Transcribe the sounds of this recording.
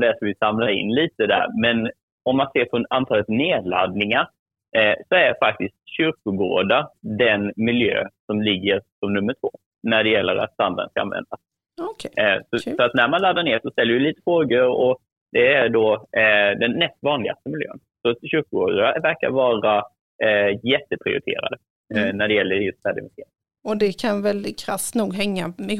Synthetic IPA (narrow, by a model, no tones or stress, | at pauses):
d̪æʂɔvɪsamlaɾɪ̰nːliːt̪əd̪æ̰ɾmɛn | ɔmːanseːɾpʰɔant̪ʰɑːlət̪neːdla̰d̪nɪŋaɾ | sɔæɾfak̚t̪ɪst̪̚ɕʏɾkʊɡo̰ːɖad̪ɛnmɪljø̰ːsɔmlɪɡːəɾsɔmnɵmːəʈʰvoː | næɖɛjɛlːəɾa̰t̪sand̪aɾə̰nskaa̰nvɛ̰nd̪as | sɔfœɾat̪næɾmanlad̪ːaɳeːʂɔst̪ɛlːɾɪjʏliːt̪ə̥fɾoːɡəɾɔ | d̪ɛæɖɔ | d̪ɛnːɛst̪vɑːnlɪɡa̰st̪əmɪljø̰ːnsɔɕʏɾkʊɡoːd̪avæɾka̰ɾvɑːɾa | jɛt̪ːəpʰɾɪ̰ʊ̰ɾɪt̪ʰḛːɾa̰d̪ə | næɖɛjɛlːəɾjɵst̪fæːɖɪ̰væsʰeːɾɪ | ɔd̪ɛkʰanvɛld̪ɪt̪̚kʰɾast̪nuːɡɦɛŋːaɛ